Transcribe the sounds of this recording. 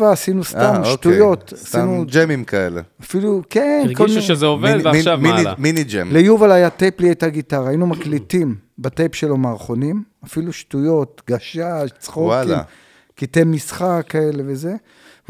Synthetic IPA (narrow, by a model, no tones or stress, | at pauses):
vaːsinustamoʃktujo̞t̪asinud͡ʒemimkaḛlḛafilukenkollmʃezeovdiiminid͡ʒḛmlejuvalajatepliejt̪aɡitaʁaːinumaklitimbatepʃelo̞maːʁχo̞nimafiluʃtujo̞tɡaʃaʃt͡sχowatlim̰ | kitemːisχakːaeleveze̞